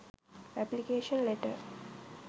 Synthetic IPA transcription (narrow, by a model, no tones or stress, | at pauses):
æplikeːʃə̃nleʈə̰